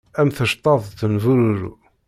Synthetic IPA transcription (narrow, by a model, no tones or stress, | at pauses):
æmθəʃt̪ˤːɑðˤθənvuɾuɾṵ